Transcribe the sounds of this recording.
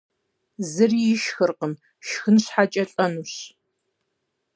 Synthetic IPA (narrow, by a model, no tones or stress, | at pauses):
zɨrijɪʃxɨrqən | ʃxɨnɕħat͡ʃʼɐɬʼɐnuɕ